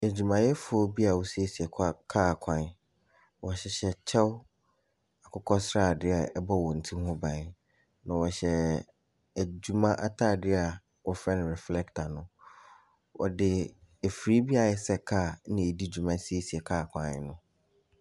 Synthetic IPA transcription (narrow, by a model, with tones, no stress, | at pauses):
æ˨d͡ʑᶣu˨mã˨jɛ˦fʊ˨ɔ˦bi˦a˨wɔ˨si˦e˦si˨ɛ˨kʰa˦kʰaː˦˨kʷʰã˨n | wɔ˨ɕɛ˨ɕɛ˨t͡ɕʰɛ˦w | a˨kʰʊ˦kʰɔ˦sɾaː˦˨dɪ˦a˨ɛ˦bɔ˦˨wɔ̃˨n̩˨tʰĩ˦hʊ̃˦bã˨n | nã˨wɔ˨ɕɛ˨ | æ˨d͡ʑu˨mã˦ʔa̰˦tʰaː˦˨dɪ˦a˨ | wɔ˨fɾɛ̃˦nɪ̃˨ɾɛ˨flɛ˦ktʰa˨nʊ̃˨˦ | wʔɔ̰˨dɪ˨e˨fi˨ɾi˦bi˦a˨ɛ˦sɛ˦kʰa˦˨nɪ̃˨e˨di˦˨d͡ʑu˨mã˦si˦e˦si˨ɛ˨kʰaː˦˨kʷʰã˨n˦nʊ̃˦